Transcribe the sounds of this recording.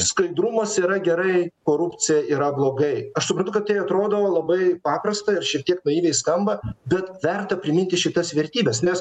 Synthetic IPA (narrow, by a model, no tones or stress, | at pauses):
skɐɪd̪ɾʊmɐsiːɾɐɡʲɛɾɐɪkoːɾʊpʲt͡ssʲɪjɛiːɾɐblˠoːɡɐɪɐʃsʊpɾɐnt̪ʊkɐt̪t̪ːɐɪɐt̪ɾoːd̪oʋoːlˠɐbɐɪpɑːpɾɐst̪ɐɪɾʃʲiɛk̚t̪ʲiɛknʊiːʋʲɛɪskɐmbɐbʲɛt̪ʋʲɛrt̪ɐpʲɾʲɪmʲɪnʲt̪ʲɪʃʲɪt̪ɐsʋʲɛɾʲt̪ʲiːbʲɛsnʲɛs